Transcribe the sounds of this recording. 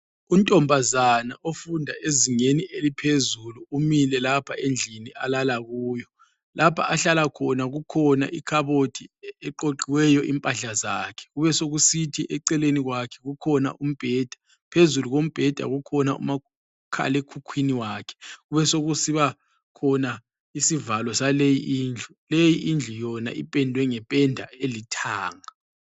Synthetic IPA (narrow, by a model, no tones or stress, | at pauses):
untʼɔmbʱazanaʔofundʱaʔeziŋeniʔelipʰezuluːmilɛlapʰaend͡ɮʱinialalaɣuːjɔ | lʔapʰa̰ʔaɬalakʰɔnaɣukʰɔna̰ʔikʰaβotʰiɛǃoǃiwɛjɔʔḭmpʼaɬaza̰kʰɛ̥ɣuβɛsoɣusitʰiʔɛǀɛleniɣwakʰɛ̥ɣukʰɔna̰ʔum̩b̥ʱɛːd̥ʱḁ | pʰezuluɣom̩b̥ʱɛd̥ʱa̰ɣukʰɔna̰ṵma | kʰa̰lekʰukʰwiniwaːkʰɛ̥ɣuβɛsoɣusiβa | kʰɔna | isivalɔsalejiʔiːnd͡ɮʱulejiʔind͡ɮʱujɔna̰ʔipʼɛndʱwɛŋɛpʼɛndʱa̰elitʰa̰ːŋa